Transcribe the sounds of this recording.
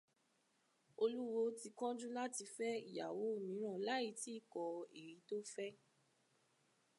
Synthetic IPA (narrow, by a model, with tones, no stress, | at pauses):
o˧lu˦wo˧ti˧kɔ̃˦d͡ʒũ˦la˦ti˧fɛ˦ḭ˦˨ja̰˨wo˨˦o˦˨mĩ˨˦ɾ̃ã˦˨la˦i˨˧˦ti˦˨kɔ˧e˨ɾi˨˦to˦fɛ˦